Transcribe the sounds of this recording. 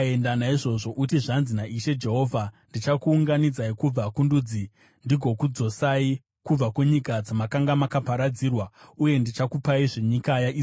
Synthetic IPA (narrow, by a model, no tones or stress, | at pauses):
endanaiʐo̞ʐo̞ʔutiʐanzinaʔiʃe̞d͡ʒe̞ɦo̞vʱandit͡ʃakuːŋɡanid͡zaikub͡vakundud͡zi | ndiɡʱo̞kud͡zo̞sai | kub͡vakuɲikad͡zamakaŋɡamakapaɾad͡zirwauje̞ndit͡ʃakupaiʐe̞ɲikajai